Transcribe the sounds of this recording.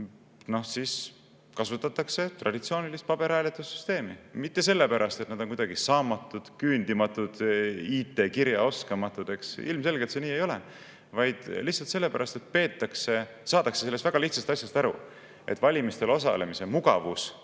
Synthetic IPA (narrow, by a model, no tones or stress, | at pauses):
no̞hsis | kɑsut̪ːˑɑt̪ːˑɑkse̞t̪rʔɑ̰d̪̥ʲit̪sio̞ːnilist̪̚pɑb̥e̞ɾæːlet̪ːˑusːy̥st̪e̞ːmimit̪ːe̞se̞lːepæɾʔɑst̪et̪nɑd̪̥o̞nkud̪ɑɡ̥isɑːmɑt̪ːˑud̪̥kyːnd̪imɑt̪ːˑud̪̥iːt̪ːˑe̞kiɾjɑo̞skɑmɑt̪ːˑud̪̥e̞ksḭlmse̞lɡelt̪se̞niːe̞jo̞lḛ | vɑjd̪̥lihtsɑlt̪se̞lːe̞pæɾʔɑst̪e̞t̪̚pe̞ːt̪ˑːɑkse̞ | sɑːd̪ɑkse̞selest̪væɡ̥ɑliht̪sɑst̪ɑsʲjɑst̪æɾṵ | ʔe̞̰t̪ːˑvɑlʲimist̪e̞lo̞s̬ɑ̰le̞mise̞muɡ̥ɑ̰vus